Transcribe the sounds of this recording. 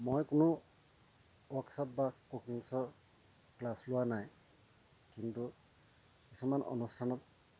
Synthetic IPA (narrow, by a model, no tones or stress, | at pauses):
mojkʊnʊ | wɔksap̚bakukiŋsɔɹ | klaslʊwanaj | kintu | kisumanʔɔ̰nustʰanɔt̚